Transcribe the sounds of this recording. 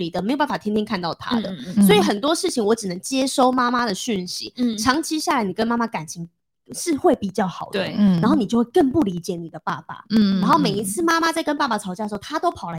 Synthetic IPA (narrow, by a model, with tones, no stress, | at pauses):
i˨˩d̪ə˩me˧˥jo˨˩ba˥˩fa˨˩tʰjɛ˥nt̪ʰjɛ˥nkʰa˥˧nt̪ɑ˥˨ʊt̪ʰa̰˦˥d̪ə˨swɔ˧˥i˨˩xə˨˩nt̪wɔ˥ʂɻ̩˥˩t͡ɕʰi˨˩ŋwɔ˧˥ʈ͡ʂɻ̩˨˩nə˧˦ŋt͡ɕjɛ˥ʂo˥˧ʊma˥ma˥d̪ə˨ɕy˥˩nɕḭ˨˦ʈ͡ʂʰɑ˧˥ŋt͡ɕʰi˧˥ɕja˥˩la˧˦ɪni˨˩kə˦nma˥ma˧ka˨˩nt͡ɕʰi˧˥ŋ | ʂɻ̩˥˧xwe˥˩ɪpi˨˩t͡ɕjɑ˥˩ʊxɑ˨˩ʊd̪ə˧˩˦na˨˧nxo˥˩ni˨˩t͡ɕo˥˧ʊwe˥˧kə˥˧ŋpu˥˩li˧˥t͡ɕjɛ˨˩˦ni˨˩d̪ə˩˦pa˥˩pa̰˨˩na˧˥nxo˥˩ʊme˨˩ɪi˧˥t͡sʰɹ̩˥˧ma˥ma˦t͡sa˥˩ɪkə˥npa˥˩pa˨˩ʈ͡ʂʰɑ˧˥ʊt͡ɕja˥d̪ʂ̩˧˥o˥˩t̪ʰa˥t̪o˥ʊpʰɑ˨˩ʊlə˧